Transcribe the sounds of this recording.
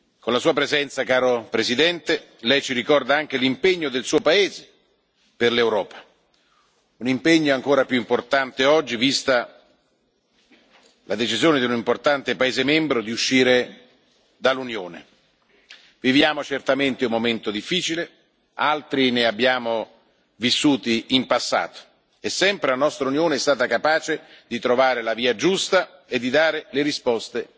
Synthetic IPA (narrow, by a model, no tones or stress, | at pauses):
konlasuːapɾezɛnt̪sakaːɾopɾezid̪ɛnt̪e | lɛjt͡ʃiɾikɔrd̪aaŋk̟elimpeɲːod̪elsuːopaeːze | perlewɾɔːpḁ | unimpeɲːoaŋkoːɾapjuimport̪ant̪eɔd͡ʒːivist̪a | lad̪et͡ʃizjoːned̪iunimport̪ant̪epaeːzemembɾod̪iuʃːiːɾe | d̪alːunjoːnḛ | vivjaːmot͡ʃert̪ament̪eumːoment̪od̪ifːiːt͡ʃile | alt̪ɾineabːjaːmo | visːuːt̪iimpasːa̰ːt̪o̥ | ɛsːɛmpɾelanɔst̪ɾaunjoːneɛst̪aːt̪akapaːt͡ʃed̪it̪ɾovaːɾelaviːad͡ʒust̪aed̪ːid̪aːɾeleɾispɔst̪e